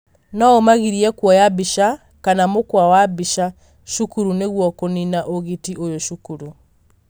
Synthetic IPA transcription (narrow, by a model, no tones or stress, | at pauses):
nɔomaɣiɾiɛkwɔjabiʃa | kanamokwawabiʃa | ʃukuɾuneɣwɔkoninaʔoɣitiʔojoʃukuɾu